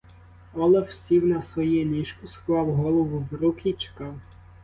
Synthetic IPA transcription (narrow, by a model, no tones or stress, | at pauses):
ɔlˠɛfsʲiwnɐsʋɔjɛlʲiʃkʊsklˠɑwɦɔlˠɔʋʊʋɾukɪt͡ʃe̥kɑw